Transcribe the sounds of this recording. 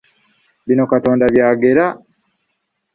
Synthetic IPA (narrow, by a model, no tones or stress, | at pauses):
βino̞kato̞ːndaβjaːɡe̞ɾa